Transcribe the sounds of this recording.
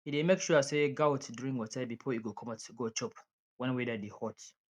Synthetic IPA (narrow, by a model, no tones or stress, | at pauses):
hidemekʃuaseɡawtduɹĩŋwɔtʰãɪbifɔiɡokʰɔmatɡot͡ʃɔp | wɛ̃nwidɛdihɔt